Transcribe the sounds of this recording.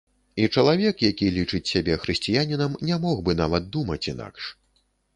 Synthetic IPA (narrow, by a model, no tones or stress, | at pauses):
it͡ʂɐlˠavʲɛkjakʲilʲit͡ʂɨt͡sʲsʲabʲɛxɾɨsʲt͡sʲijanʲinɐmnʲamɔɣbɨnavɐd̪̚d̪umɐt͡sʲina̰kʂ